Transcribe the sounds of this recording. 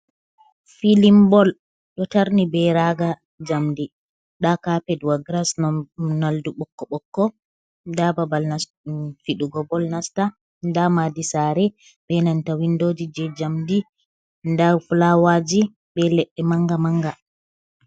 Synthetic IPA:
filimbɔl | ɗɔtaɾnibɛɾaɡa | d͡ʒamdi | ɗakapɛduwaɡɾasnɔnalduɓɔkːɔɓɔkːɔ | dababal | fiɗuɡɔbɔlnasta | ndamadisaːɾɛ | bɛnantawindoːd͡ʒid͡ʒɛd͡ʒamdi | ndafulawad͡ʒi | bɛlɛɗːɛmaŋɡamaŋɡa

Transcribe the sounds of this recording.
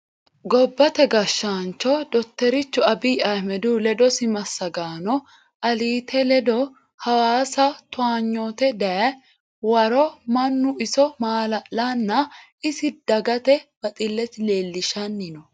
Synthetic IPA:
ɡɔbːɐt̪ɛɡɐʃːaːnt͡ʃɔd̪ɔt̪ːɛɾɪt͡ʃːʊɐbiːʔɐjmɛd̪ulɛd̪ɔsɪmɐsːɐɡaːnɔ | ʔɐliːt̪ʰɛlɛd̪ɔ | hɐwaːsɐt̪ʊaːɲːoːt̪ɛd̪ɐjɐ | wɐɾɔmɐnːʊɪsɔmaːlɐlɐnːɐ | ɪsɪd̪̥ɐɡɐt̪ɛb̥ɐt̪ʼɪlːɛt̪ɪleːlːɪʃɐnːɪnɔ

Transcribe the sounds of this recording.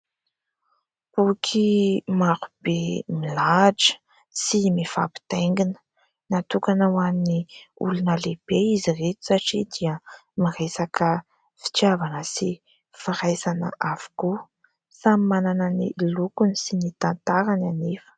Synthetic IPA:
bukʰimaɾub̥emilaʈ͡ʂə̥ | simifapi̥t̪eŋɡinə̥ | nat̪ukanawaniṵlunəleb̥eiziret̪u̥saʈ͡ʂid̪iəmirejsakə | fi̥t͡ʃjavanəsi | faɾajsanə̰ʔav̥u̥ku | samimanananilukunisinit̪ant̪aɾananefə̥

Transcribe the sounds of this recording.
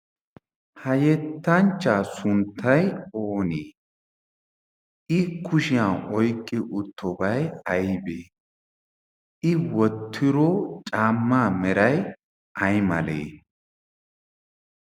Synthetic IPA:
hɐjɛt̪ːɐnt͡ʃːaːsʊnt̪ʰːɐjoːneː | ʔɪkʰʊʃɪjaːɔjkʼːɪʔʊt̪ʰːɔbɐjɐjbeː | ʔɪwɔt̪ʰːɪɾɔt͡ʃʼaːmːaːmɛɾɐj | ʔɐjmɐ̰lḛː

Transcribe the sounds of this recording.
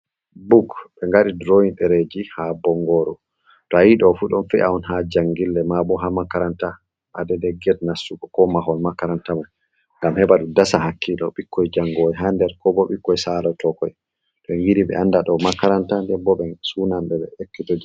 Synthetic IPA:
buɡɓɛŋɡaɗidɾoinɗɛɾed͡ʒihabɔŋɡɔɾɔ | tɔajiɗɔfuɗɔnfɛaɔnhad͡ʒaŋɡilːɛmabɔɦamakːaɾanta | ɓadɛdɛɡɛdnasːukɔkɔmaɦɔlmakːaɾantamaj | ŋɡamhɛbaɗudasahakʰːilɔɓikʰːɔjd͡ʒaŋɡɔjɛɦandɛɾkɔbɔɓikːɔjsalɔtɔkɔj | tɔɛŋɡiɾiɓɛ̰ʔandaɗɔmakːaɾantandɛbɔɓɛsunambɛɓɛ̰ekːitod͡ʒi

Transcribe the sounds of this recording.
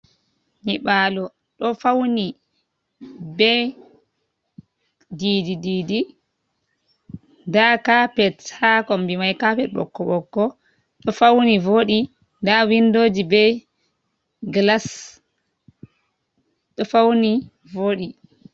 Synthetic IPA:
ɲiɓaːlɔ | ɗɔfawni | bɛ | dididiːdi | ndakapɛthakɔmbimajkapɛt̚ɓɔ̰kːɔɓɔkːɔ | ɗɔfawnivoːɗi | ndawindoːd͡ʒibɛ | ɡlas | ɗɔfawni | voːɗi

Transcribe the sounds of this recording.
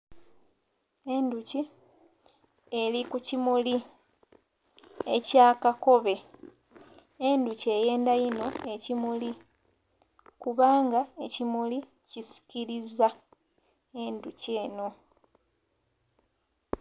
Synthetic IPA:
e̞nduci | e̞likucimuli | e̞caːkako̞βe̞ | e̞nduce̞je̞ːndajino̞e̞cimuli | kuβaːŋɡae̞cimuli | cisi̥ciɾiza | e̞nduce̞ːno̞

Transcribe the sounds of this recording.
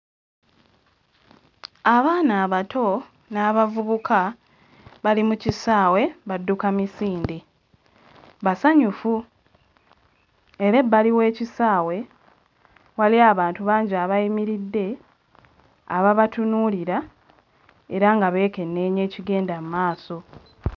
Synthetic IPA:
aβaːnaːβatʰo̞ | naːβavuβukʰa | βalimucisaːwe̞βadːukamisiːndi | βasaɲufu | e̞ɾebːaliwe̞ːcisaːwe̞ | waliaːβaːntuβaːɲɟiaβajimiɾidːe̞ | aβaβatunuːliɾa | e̞ɾaŋɡaβe̞ːke̞nːe̞ːɲe̞ːciɡe̞ːndamumaːso̞

